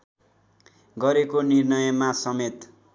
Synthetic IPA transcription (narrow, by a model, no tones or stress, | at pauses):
ɡʌɾekonirnʌjʌmasʌmet̪